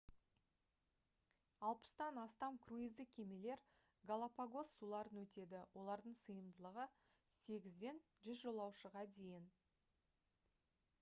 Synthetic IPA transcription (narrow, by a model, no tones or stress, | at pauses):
ɑlˠpə̥st̪ɑnɑst̪ɑmkʰruizd̪ɪk̚kʲʰe̞me̞le̞ɾ | ɡalˠapaɡo̞sːulˠɑɾənwɵt̪e̞d̪ɪwʔo̞lˠɑɾd̪əɴsəjəmd̪əlˠəʁə | se̞ɡʲɪzd̪e̞n | ʒʏzʒo̞lˠɑwʃəʁɑd̪e̞jɪn